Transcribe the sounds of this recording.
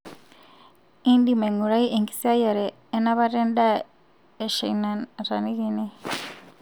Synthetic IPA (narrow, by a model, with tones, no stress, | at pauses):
i˦ndi˨me˨ŋu˨ɾa˦i˦ʔe˨ŋɡi˨sia˦ja˨ɾeː˨˦na˦βa˦ɾe˦nda˦ | e˨ʃa˨inaɾa˨ni˦ɣini˦